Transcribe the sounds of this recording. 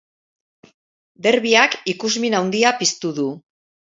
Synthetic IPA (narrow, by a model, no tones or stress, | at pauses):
d̪e̞ɾβiakikuzminawnd̪iapist̪uðu